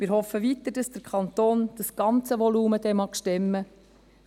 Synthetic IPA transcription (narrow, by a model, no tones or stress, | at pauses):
mɪːɾhɔfəʋit̪əɾd̥ɑsd̥əɾkʰɑnt̪oːnd̥əsɡ̥ɑnt͡səʋɔluːməd̥̪ɛmɑːkʃtɛmːə